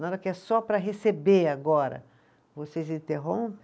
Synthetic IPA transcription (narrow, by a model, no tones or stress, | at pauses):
nãd̪ɐkɪɛsɔpɾɐɦesebeaɡɔɾɐ̰ | vosezĩnt̪eɦõpẽ